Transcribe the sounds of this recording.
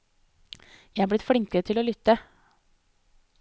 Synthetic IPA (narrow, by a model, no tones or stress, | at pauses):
jæɪhɑːblɪt̪fɽɪŋkəɾət̪ʰɪloːlʏt̪ːə